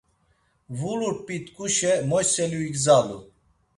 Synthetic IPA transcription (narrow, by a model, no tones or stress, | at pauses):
vuluɾpʼit̪kʼuʃɛmɔjsɛluikzalṵ